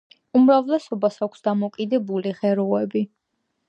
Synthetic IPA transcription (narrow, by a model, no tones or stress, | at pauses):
umɾavlɛsɔbasakʷʰsd̪amɔkʼid̪ɛbuliʁɛɾɔɛbi